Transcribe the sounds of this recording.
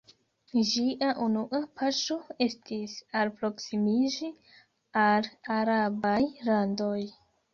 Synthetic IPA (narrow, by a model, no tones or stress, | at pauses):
d͡ʒiʔaʔunuʔapaʃo̞e̞stisalpɾo̞ksimid͡ʒi | alaɾabajlandoj